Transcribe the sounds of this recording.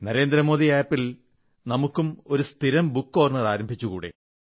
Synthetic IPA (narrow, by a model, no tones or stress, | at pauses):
nɐɾe̞ːnd̪ɾɐmo̞ːdðiaːpːil | nɐmukːumo̞ɾust̪ʰiɾɐmbukːo̞ːrnɐraːɾɐmbʱit͡ɕːuɣṵːɽḛ